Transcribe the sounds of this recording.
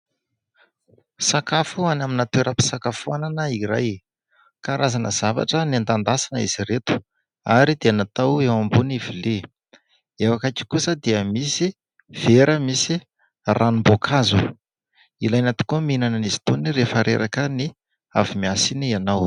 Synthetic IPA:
sakafuanaminat̪weɾəpi̥sakafuananəiɾaj | kaɾazanəz̥ava̰ʈ͡ʂənand̪and̪asanəiz̥iɾet̪u̥ | aɾid̪eanat̪awewambunivile | ewakaki̥kusəd̪eəmisi | v̥eɾəmisi | rʔanumbokʰazu | ilajnat̪i̥kuminanənizi̥t̪onirefəɾʔḛɾʔakəni | a̰vimiasinianaw

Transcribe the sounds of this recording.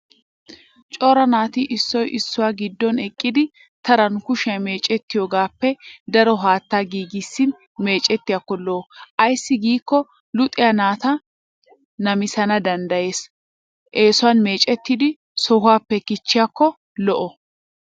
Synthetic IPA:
t͡ʃʼɔɾɐnaːt̪ɪʔɪsːɔjʔɪsːʊwaːɡɪd̪ːɔnɛkʼːɪd̪ɪ | t̪ɐɾɐnkʊʃɛme̞ːt͡ʃʼɛt̪ːɪjoːɡaːpːɛd̪ɐɾɔɦaːt̪ːaːɡiːɡɪsːɪn | me̞ːt͡ʃʼɛt̪ːɪjakːɔlɔʔɔʔɐjsːɪɡiːkːɔ | lʊt̪ʼɪjanaːt̪ɐ | nɐmɪsɐnɐd̪ɐnd̪ɐje̞ːs | ʔeːsʊwaːnme̞ːt͡ʃʼɛt̪ːɪd̪ɪ | sɔhʊaːpːɛkɪt͡ʃːɪjakːɔ | lɔʔɔ

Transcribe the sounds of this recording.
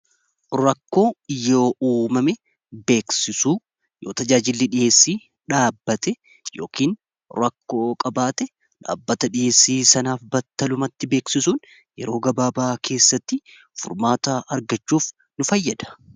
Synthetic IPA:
ɾɐkːo̞ːjo̞ːʔuːmɐmɛ | be̞ːksɪsuː | joːt̪ɐd͡ʒaːd͡ʒɪlːɪᶑɪje̞ːsːiː | ᶑaːbːɐt̪ɛ | joːkiːn | ɾɐkːo̞ːkʼɐbaːt̪ɛ | ᶑa̰ːbːɐt̪ɐᶑɪʔeːsːiːsɐnaːfbɐt̪ːɐlʊmɐt̪ːɪbe̞ːksɪsuːn | jɛ̰ɾo̞ːɡɐbaːbaːkʰe̞ːsːɐt̪ːɪ | fʊ̰ɾmaːt̪aʔɐɾɡɐt͡ʃːuːf | nʊfɐjːɐd̪ɐ̥

